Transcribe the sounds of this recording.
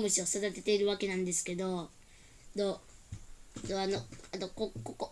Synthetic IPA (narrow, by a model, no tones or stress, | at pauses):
mɯ̟ɕiosod̪at̪e̞t̪e̞iɾɯ̟βake̞nãnd̪esɨ̥ke̞d̪o̞ | d̪o | d̪oanoanokokoko